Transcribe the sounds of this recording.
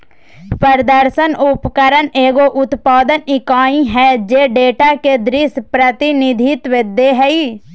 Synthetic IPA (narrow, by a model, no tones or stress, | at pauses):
pəɾd̪əɾsənʊpkəɾəneːɡoʔʊt̪paːd̪ənɪkaːĩɦɛːd͡ʒeːɖeːʈaked̪ɾɪspɾət̪ɪnɪd̪ʱɪt̪ʋɪd̪ːeɦɛiː